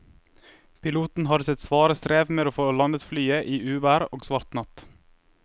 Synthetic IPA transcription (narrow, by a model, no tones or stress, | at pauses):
pʰɪluːt̪n̩ɦɑd̪sɛt̪sʋɑːɾəst̪ɾeːʋmeːd̪oːfoːlɑnət̪flyːəʔiːʉːʋæːɾoːɡsʋɑɾt̪nɑt̪